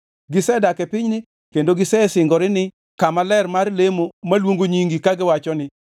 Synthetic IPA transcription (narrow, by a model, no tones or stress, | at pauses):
ɡɪsɛdakɛpɪɲnɪ | kendoɡɪsɛsɪŋɡɔɾɪnɪ | kamalɛrmarlemomalwoŋɡoɲiŋɡikaɡɪwat͡ʃɔnɪ